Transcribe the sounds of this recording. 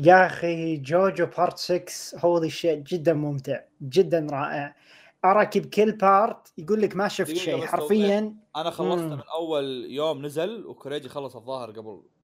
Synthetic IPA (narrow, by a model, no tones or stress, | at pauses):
jaxid͡ʒoːd͡ʒwpʰɑːɾˤt̪sɪkshoːðiʃeːʔd͡ʒɪd̪ːanmʊmt̪ɪʕd͡ʒɪd̪ːanɾˤɑːʔɪʕ | ʔɑɾˤɑkɪbkɪlːpɑɾˤt̪jɡuːlːɪkmaʃɪft̪ʃeːħɑɾˤfɪjːanʔanaxɑlːɑsmɪnʔawːaljoːmnazalwkʊɾeːd͡ʒ̪ixɑlːɑsˤɑðˤːɑːhɪɾɡabl